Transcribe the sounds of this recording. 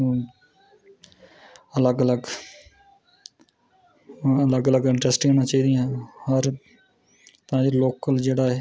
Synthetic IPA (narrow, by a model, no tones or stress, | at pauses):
ələɡələɡ | ələɡələɡɪ̃ɳʈɾəsʈkeːnãːt͡ʃaːiːd̪ɪjãːhəɾ | t̪ãːd͡ʒeloːkəld͡ʒeːɽaːɛː